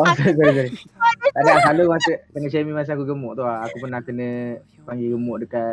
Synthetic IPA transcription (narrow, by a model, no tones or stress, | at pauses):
osaɾis̬aɾis̬aɾit̪aʔnaʔsalumasətəŋat͡ʃamimas̬əakuɡəmʊʔt̪uɦaakupənahkənə̃ | paŋɡiɡəmʊʔdəka